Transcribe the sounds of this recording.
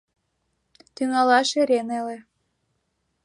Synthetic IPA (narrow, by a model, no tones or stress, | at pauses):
t̪yŋɑlɑʃeɾʲenelĕ